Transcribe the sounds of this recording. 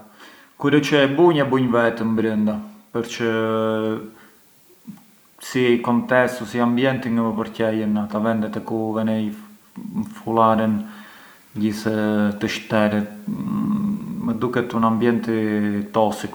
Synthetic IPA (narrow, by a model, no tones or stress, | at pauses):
kuɾɛt͡ʃɛbuɲɛbuɲvɛt̪əmbɾənd̪apəɾt͡ʃə | sikɔnt̪ɛst̪usiambjɛnt̪iŋəvəpəɾcɛjənat̪avɛnd̪ɛt̪ɛkuvɛnɛ | fulaɾən | ɟiθt̪əʃt̪ɛɾɛt̪ | məd̪ukɛt̪unambjɛnt̪it̪ɔsik